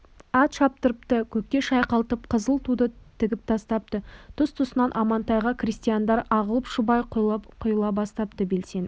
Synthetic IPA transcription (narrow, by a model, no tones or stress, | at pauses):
ɑt̪ʃɑp̚t̪əɾəpt̪əkʲʰɵk̚t̪ʲe̞ʃɑjqɑlˠt̪əp̚qʰəzəlˠt̪ʰud̪ət̪ʰɪɡʲɪp̚t̪ʰɑst̪ɑp̚t̪ət̪ʰʊst̪ʰʊsənɑnʔɑmɑnt̪ɑjʁɑkrist̪ijand̪ɑɾɑʁəlˠəpʃʊbɑjqqʰʊjəlˠɑbɑst̪ɑp̚t̪əbe̞lse̞n